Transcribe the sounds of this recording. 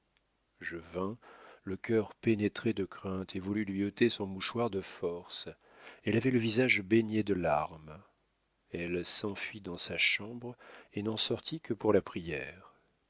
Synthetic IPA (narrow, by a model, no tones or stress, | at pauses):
ʒəvɛ̃ləkʲʰœʁpenet̪χed̪əkχɛ̃t̪ʰevulylɥiot̪esɔ̃muʃwaʁd̪əfɔʁs | ɛlavɛləvizaʒbeɲed̪əlaʁm | ɛlsɑ̃fɥid̪ɑ̃saʃɑ̃bʁenɑ̃sɔʁt̪ʰikəpuʁlapχijɛːʁ